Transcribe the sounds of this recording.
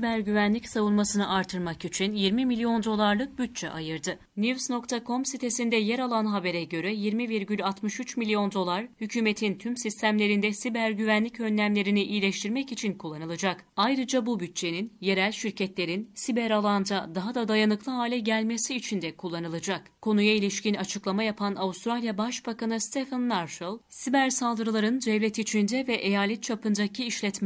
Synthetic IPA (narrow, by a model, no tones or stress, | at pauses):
sibæɾɟyvænlʲicsavunˠmasɯnɯʔaɾt̪ʰɯɾmakit͡ʃʰinjiɾmimilʲijo̞nd̪o̞lˠaɾlˠɯk̚byt̪̚t͡ʃʰɛ̰ʔajɯɾd̪ɯ | nivsno̞kt̪ʰakʰo̞msit̪ʰe̞sind̪ɛjɛɾalˠanɦabe̞ɾɛɟø̞ɾɛjiɾmiviɾɟylʲat̪mɯʃyt͡ʃmilʲijo̞nd̪o̞lˠaɾ̥hycʰyːme̞t̪ʰint̪ʰymsist̪ʰæmlʲe̞ɾind̪ɛsibæɾɟyvænlʲicø̞nlʲæmlʲe̞ɾiniʔijlʲɛʃt̪ʰiɾmɛcit͡ʃʰinkʰulˠːanɯlˠɯd͡ʒakajɾɯd͡ʒabubyt̪̚t͡ʃe̞ninje̞ɾælʲʃiɾcɛt̪lʲe̞ɾinsibæɾalˠand̪ad̪aɦad̪ad̪ajanɯklˠɯɦaːlʲɛɟælʲmesiːt͡ʃʰind̪ɛkʰulˠːanɯlˠad͡ʒakkʰo̞nujailʲiʃcinat͡ʃʰɯklˠamajapʰanaust̪ɾalʲjabaʃbakanɯst̪ʰefanːaɾʃlˠsibæɾsalˠd̪ɯɾɯlˠaɾɯnd͡ʒ̪ɛvlʲɛt̪it͡ʃʰind̪ɛvɛʔejaːlʲɛt̪̚t͡ʃʰapɯnd͡ʒ̪acʰiiʃlʲɛt̪mɛ